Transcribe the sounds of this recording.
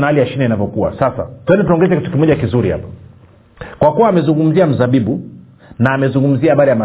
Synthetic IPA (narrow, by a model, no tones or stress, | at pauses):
nahalijaʃinainavɔkuwa̰sasa̰tuɛndɛtunaɔŋɡɛzɛkitu̥kimɔʄakizuɾiha̰pḁ | kwakuwaːmɛzuŋɡum̩ziam̩zaɓiɓu | naːmɛzuŋɡum̩ziaaɓaɾijama